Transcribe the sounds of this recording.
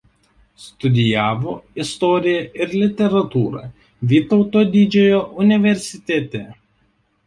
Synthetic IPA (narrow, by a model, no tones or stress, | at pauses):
st̪ʊd̪ʲɪjæːʋoːɪst̪ɔːɾʲɪjɛʔɪɾlʲɪt̪ʲɛɾɐt̪uːɾɐ̰ | ʋʲiːt̪ɔʊt̪oːd̪ʲid͡ʒʲɛjoːʔʊnʲɪʋʲɛɾʲsʲɪt̪ʲɛt̪ʲɛ